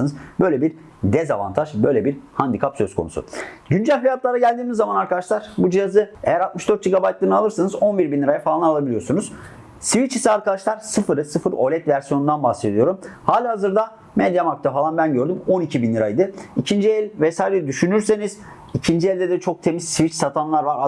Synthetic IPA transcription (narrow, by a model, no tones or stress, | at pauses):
anɯzbø̞jlʲebiɾ | d̪ɛzava̰nt̪ʰaʒbø̞jlʲebiɾhand̪ikʰapsø̞skʰonṵsʊ̰ɟynd͡ʒælʲhijat̪̚lˠaɾaɟælʲd̪iːmizːamanaɾkad̪aʃlˠaɾ̥bud͡ʒijazɯe̞̰jæɾalˠt̪mɯʃd̪øɾt̪̚d͡ʒiɡabajt̪lˠɯːnɯalˠɯɾsanɯzo̞nbiɾbinlʲːiɾajafalˠanalˠabilʲijo̞ɾsunuz̥ | sivit͡ʃisiaɾkad̪aʃlˠaɾsɯfɯɾɯsɯfɯɾo̞̰lʲɛt̪væɾsijo̞nund̪anbaxse̞d̪ijo̞ɾumhaːlʲaɦazɯɾd̪a | med̪jamak̚t̪ʰafalˠanbænɟø̞ɾd̪ymo̞nicʰibinlʲiɾajd̪ɯicʰind͡ʒiɛlʲvɛsaːjlʲɛɾɛd̪yʃynyɾse̞niz̥ | icʰind͡ʒielʲdɛd̪ɛt͡ʃʰo̞k̚t̪ʰe̞mizsvit͡ʃsat̪ʰanlˠaɾvaɾa